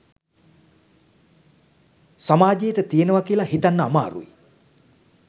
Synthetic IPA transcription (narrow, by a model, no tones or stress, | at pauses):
samaːd͡ʒejəʈət̪ijenəʋakiəlaɦit̪anːəama̰ːɾṵḭ